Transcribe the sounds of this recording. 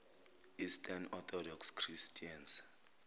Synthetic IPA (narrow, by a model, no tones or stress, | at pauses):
istʰʼanɔt̪ʰɔdɔkskʰristʰʼians